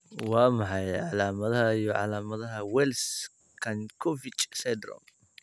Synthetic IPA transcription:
wɑːmɑħɑjʕɑlaːmɐðɐɦɐijɔʕɑ̰laːmɐðɐɦɐwɛls | kʰɐnkʰɔfɪt͡ʃʼsɛd̪ɾɔ̰m

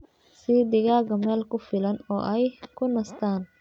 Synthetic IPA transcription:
siːd̪ɪɣaːɣɐmɛːlkʰʊfɪlɐnɔːʔɛjkʰʊnɐst̪ʰaːn

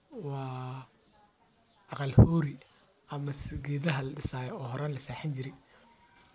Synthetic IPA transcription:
wɑː | ʔɑqɑlhɔːɾi | ɐmɐsɡɛːðɐɦɐlɐɖɪsaːjɔɔːɦɔɾɐnlɐsaːħɪnt͡ʃɪɾɛj

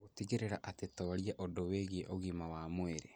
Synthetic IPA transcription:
otiɣeɾeɾaʔatetɔɾiaʔodoweɣeʔoɣimawamweɾe

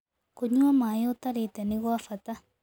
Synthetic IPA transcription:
koɲuamajot̪aɾet̪aniɣoafat̪a

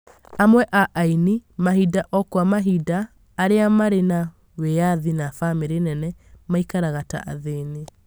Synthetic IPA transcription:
amwɛʔaʔainimaɦidaʔɔkwamaɦidaː | ɾeamaɾena | wejaðinafameɾenɛnɛmaikaɾaɣata̰ʔa̰ðene

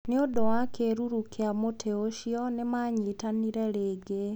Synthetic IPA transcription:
neodowakeɾuɾukeamotʰeoɕiɔnemaɲiːtaniɾɛɾeːɡe

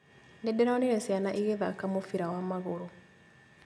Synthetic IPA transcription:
ndɛdeɾaoniɾɛsjanaʔiɣeðakamofiɾawamaɣoɾo

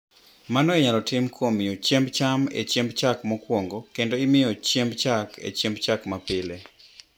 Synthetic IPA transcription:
manɔɛɲalɔtɪmkʰomɪjot͡ʃembt͡ʃamḛt͡ʃɛmbt͡ʃakmɔkwoŋɡokendoɪmɪjɔt͡ʃjembt͡ʃakḛt͡ʃɛmbt͡ʃakmapɪle

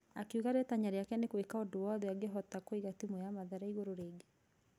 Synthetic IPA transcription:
akeuɣaɾɛtaɲaɾeakɛnekwekaodowaðeaɡeɦɔtakoiɣatimojamaðaɾaiɣoɾoɾeːɡe

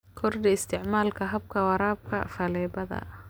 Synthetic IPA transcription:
kʰɔrd̪iɪst̪ʰɪʕmaːlkʰɐɦɐb̚kʰɐwɑɾaːb̚kʰɐ̰fɐlɛːbɐðɐ̰

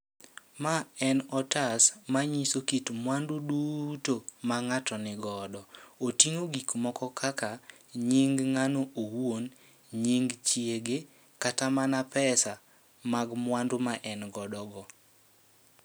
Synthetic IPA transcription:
maɛnɔtasmaɲisokitmwandudutomaŋatɔnɪɡɔdɔotiŋoɡikmɔkɔkʰaka | ɲiŋɡŋanoowwon | ɲiŋɡt͡ʃieɡe | katamanapɛsa | maɡmwandomaʔɛnɡɔdɔɡɔ

